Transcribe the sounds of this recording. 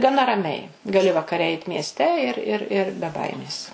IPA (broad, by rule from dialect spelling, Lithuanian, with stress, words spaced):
ɡɐˈnɐ rɐˈmʲɛɪ ɡɐˈlʲɪ ʋɐkɐˈrʲɛ ˈɛɪt mʲiɛsʲˈtʲɛ ɪr ɪr ɪr bʲɛ ˈbɐɪmʲeːs